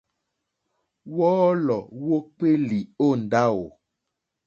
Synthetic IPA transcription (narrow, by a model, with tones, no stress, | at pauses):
wɔː˦lɔ˨wo˦k͡pe˦li˨o˦˨n̩˨da˦wo˨